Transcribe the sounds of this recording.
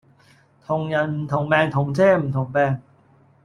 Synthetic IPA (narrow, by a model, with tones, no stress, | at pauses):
t̪ʰo˧ŋja˨˧˥nm̩˨˩˦t̪ʰo˨˩˦ŋpɛː˧ŋt̪ʰo˨˩˦ŋt͡ɕʰeː˥˩m̩˨˩˦nt̪ʰo˨˩˦ŋpɛː˧ŋ